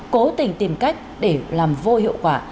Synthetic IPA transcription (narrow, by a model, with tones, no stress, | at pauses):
ko˨˦t̪ï˨˩ŋ̟t̪i˨˩mka˦˥jk̟̚ɗe˧˩laː˨˩mvo˧hḭ˧˨əwkwaː˧˩